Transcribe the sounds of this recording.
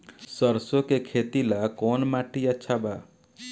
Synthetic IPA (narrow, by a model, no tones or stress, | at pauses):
səɾsokekʰet̪ilakɔːnmaʈiətːʃʰaba